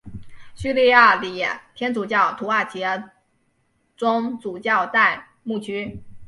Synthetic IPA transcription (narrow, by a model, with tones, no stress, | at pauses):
ɕy˥˧li˥˧ja˥˩li˧˩jɛ˨˩t̪ʰjɛ˥nt͡su˨˩t͡ɕjɑ˥˩ʊt̪ʰu˧˥a˥˩t͡ɕjɛ˧˥ | ʈ͡ʂʊ˥ŋt͡su˨˩t͡ɕjɑ˥˧ʊt̪a˥˧ɪ | mu˥˩t͡ɕʰy˥